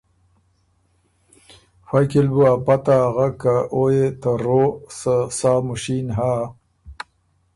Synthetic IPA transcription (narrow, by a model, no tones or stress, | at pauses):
fajkilbuapat̪aːɣakaʔojet̪əɾosəsaːmuʃinɦaː